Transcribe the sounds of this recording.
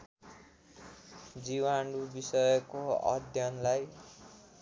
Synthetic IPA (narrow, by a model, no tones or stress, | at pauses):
d͡ziwanɾubisʌjʌkoʌ̰d̪ʱjʌnlaj